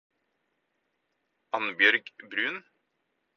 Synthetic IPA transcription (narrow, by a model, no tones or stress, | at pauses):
ʔɑnbjœɾɡbɾʉːn